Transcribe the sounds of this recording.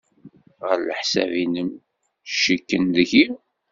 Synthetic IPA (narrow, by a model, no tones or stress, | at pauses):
ʁəɾlə̰ħsæ̰vinəm | ʃəkːənðəçiw